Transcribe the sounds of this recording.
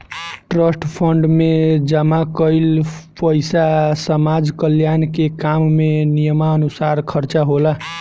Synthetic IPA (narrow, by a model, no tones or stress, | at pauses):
ʈɾəsʈpʰəɳɖmed͡ʒəmakəɪlpəɪsasəmad͡ʒkəljankekamːenijəmaənusaɾkʰəɾt͡ʃaɦola